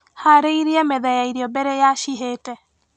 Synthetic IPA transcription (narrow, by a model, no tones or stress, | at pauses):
haɾeiɾiɛmɛðɛjaiɾiɔbɛɾɛjaʃiɦeːtɛ